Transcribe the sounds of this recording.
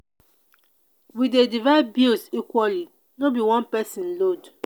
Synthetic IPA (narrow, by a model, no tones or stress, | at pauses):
widedivabilsikwɔli | nɔbiwɔ̃npɛsĩnlod